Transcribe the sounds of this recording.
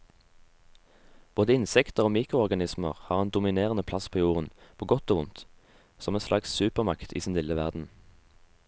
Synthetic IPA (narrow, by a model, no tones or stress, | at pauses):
b̥oːd̪əɪnsɛkt̪əʁoːmiːkʁʊɔʁɡɑnɪsmə̰ʁhɑːʁeːnd̪ʊmɪneːʁənəpʰlɑspʰoːjuːʁənpʰoːɡɔt̪oːʊnt̪ | sɔmeːnslɑkssʉːpəʁmɑkt̪ʰḭːsɪːnlɪləʋæʁd̪n̩